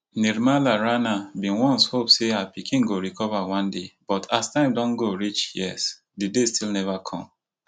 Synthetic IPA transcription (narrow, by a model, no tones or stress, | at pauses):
niɾmalaɹanabĩnwɔ̃nshopseapikʰĩnɡoɾikʰɔvawɔ̃ndebɔtʰastãɪ̃mdɔ̃nɡoɹit͡ʃjɛ̰s | didestilnɛvakʰɔ̰̃m